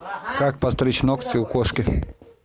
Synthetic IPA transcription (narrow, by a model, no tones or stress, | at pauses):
kak̚pɐst̪ɾʲit͡ɕnokt̪sɪukoʂkʲɪ